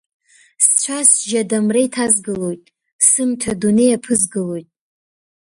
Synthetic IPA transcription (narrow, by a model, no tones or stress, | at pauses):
st͡ɕʷʰasʒadamrejtʰazɡɨlo̞jtʼ | sɨmtʰadune̞japʰɨzɡɨlo̞jtʼ